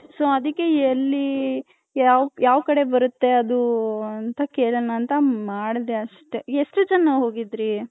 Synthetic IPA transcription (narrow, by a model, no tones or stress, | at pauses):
soːɐd̪ikːe̞ɐlːi | aːʋjaːʋɐkɐɽe̞bɐɾut̪ːe̞ɐd̪uɐnt̪ɐkeːɭɐnɐːnt̪ɐmaːɽd̪eɐʂʈeesʈud͡ʒɐnːɐɦo̞ːɡid̪ɾi